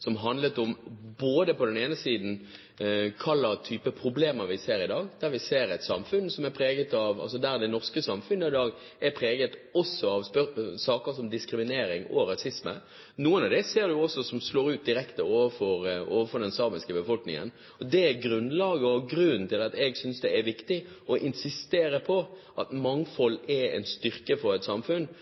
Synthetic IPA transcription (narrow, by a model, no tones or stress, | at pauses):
sɔmɦɑnd̪lət̪ɔmboːd̪əpɔd̪ɛneːnəsiːd̪n̩ | kʰɑlːəɾt̪ʰyːpəpʰɾʊbleːməɾʋɪseːɾɪd̪ɑːɡd̪̥æɾʋɪseːɾɛt̪sɑ̰mfʉnsɔmæpʰɾeːɡət̪ɑʋɑ̰ls̬ɔd̪æɾd̪ɛnɔʁskəsɑmfʉnːəɪd̪ɑːɡ | ɛɾpʰʁeːɡət̪ɔsːɔɑʋspœsɑːkəɾsɔmd̪ɪskɾɪmɪneːɾɪŋɔɾɑsɪsmə̰ | nuːənɑʋd̪ɛseːɾd̪ʉɔsːɔsɔmsloːɾʉːt̪̚d̪ɪɾɛkt̪əoːʋəfɔɾoːʋəfɔɖ̪ɛnsɑːmɪskəbəfɔlknɪ̰ŋə̰n | ɔd̪ɛæɡɾʉnlɑːɡəɔɡɾʉnt̪ʰɪlɑt̪ɛɡsʏnsd̪ɛæɾʋɪkt̪ɪ | ɔʔɪnsɪst̪eːɾəpʰɔʔɑt̪mɑŋfɔlːɛɾɛ̰nst̪ʏʁkəfɔɾɛt̪sɑmfʉn